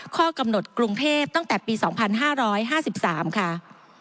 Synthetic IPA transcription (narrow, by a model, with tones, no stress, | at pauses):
kʰɔː˥˩ka˧mno˨˩t̪̚kɾu˧ŋt̪ʰeː˥˩p̚t̪a˥˩ŋt̪ɛː˨˩piː˧sɔː˩˦ŋpʰa˧nɦaː˥˩ɾɔː˦˥jɦaː˥˩si˨˩p̚saː˩˦mkʰa˥˩